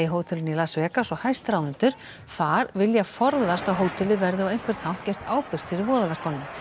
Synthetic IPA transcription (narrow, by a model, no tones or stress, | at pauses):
jɦoːwt̪ʰɪlɪnilasvɛːkasɔhajst̪ɾawðɪnt̪ʏɾ̥ | θaɾvɪljafɔɾðast̪aɦoːwt̪ʰɪlɪvɛɾðɪɔejŋ̥kvɛɾ̥t̪hawht̪cɛr̥t̪aːwpɪr̥t̪fɪɾɪɾvɔːðalɛr̥kʰɔnːʏm